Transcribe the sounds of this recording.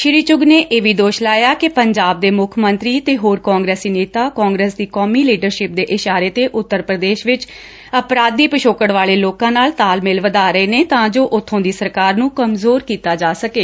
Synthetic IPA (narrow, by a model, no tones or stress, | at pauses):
ʃɪɾiːt͡ʃʊɡneːʔeːʋiːd̪oːʃlaːjaːkɪpəɲd͡ʒaːb̚d̪eːmʊkʰmənt̪ɾiːt̪eːɦoːɾkɔːŋɡɾeːsiːneːt̪aːkɔ̃ːŋɡɾeːsd̪iːkɔːmiːliːɖəɾʃɪp̚d̪eːʔɪʃaːɾeːt̪eːʔʊt̪ːəɾpɾəd̪eːʃʋɪt͡ʃ | əpɾaːd̪ːiːpəʃoːkəɽʋaːleːloːkãːnaːlt̪aːlmɪlʋəd̪aːɾəeːneːt̪ãːd͡ʒoːʔʊt̪ʰːõːd̪iːsəɾkaːɾnũːkəmzoːɾkiːt̪aːd͡ʒaːsəkeː